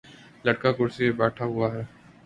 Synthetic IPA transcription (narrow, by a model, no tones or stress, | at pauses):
lɐʈkakʊɾsimebɛːʈʰaɦʊaɦɛː